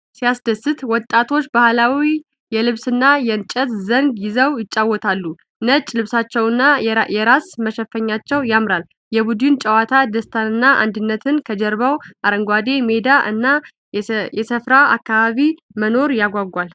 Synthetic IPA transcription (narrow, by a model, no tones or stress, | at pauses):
sijasd̪əsɨt̪wɔt̪ʼːat̪ʰo̞t͡ʃːbahlawi | jɛlɨβsɨnːajɛnt͡ʃʼət̪zəŋɡjɪzəwjɪt͡ʃʼːawːɔt̪ʰalːu | nət͡ʃʼːlɨβsat͡ʃːɛwɨnːajɛɾasməʃɛfːəɲːat͡ʃːɛwjamɾal | jɛbud̪ɨnt͡ʃʼəwat̪ʰad̪əst̪ʰanɨnːaʔa̰nd̪ɨnːət̪ʰɨnkʰəd͡ʒɛɾβawʔaɾəŋɡʷad̪e̞me̞d̪aʔɨ̰nːa | jɛsəfɾaa̰kːaβaβi | məno̞ɾjaɡʷaɡʷal